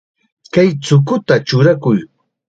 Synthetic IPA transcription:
kajt͡sʊkʊt̪at͡ʃʊɾakʊj

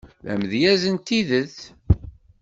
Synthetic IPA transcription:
ðæ̰mðjæzənt̪iðəθ

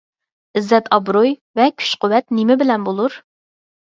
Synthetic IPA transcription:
ɪzːɛt̪ʰɑbɾojvɛkʲʰy̥ʃqʰʊwɛt̪nimɪbɪlɛnbolˠuɾ

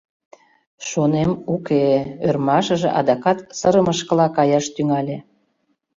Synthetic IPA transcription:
ʃonemukeørmɑʃə̆ʒḛ̆ʔɑ̰d̪ɑkɑt̪səɾəməʃkə̆lɑkɑjɑʃt̪yŋɑlʲe

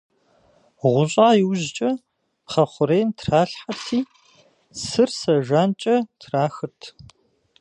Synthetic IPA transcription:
ʁʷʊɕʼaːjɪwʒt͡ʃʼɐ | pχɐχʷʊɾeːntʰraːɬħatʰiː | sɨrsɐʒaːnt͡ʃʼɐtʰraːxɨtʰ

